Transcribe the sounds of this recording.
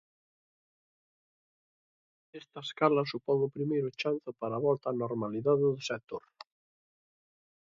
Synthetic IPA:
est̪ɐeskalɐsupɔŋʊpɾimejɾʊt͡ʃanθʊpaɾaβɔlt̪aːnoɾmaliðaðɪðʊsek̚t̪oɾ

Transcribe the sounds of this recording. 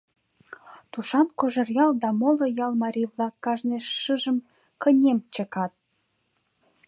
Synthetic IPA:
t̪uʃɑnkoʒə̆rjɑld̪ɑmolojɑlmɑɾʲijβlɑkːɑʒneʃːɨʒəm | kə̆nʲemt͡ɕə̆kɑt̪̚

